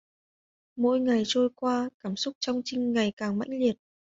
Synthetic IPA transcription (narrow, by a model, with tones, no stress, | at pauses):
mo̰˧˥jŋa˨˩jt͡ɕo˧jkwaː˧kaː˧˩msʊ˦˥k͡p̚t͡ɕɔ˧wŋ͡mt͡ɕï˧ŋ̟ŋa˨˩jkaː˨˩ŋma̰˧˥jŋ̟li˨˩ət̚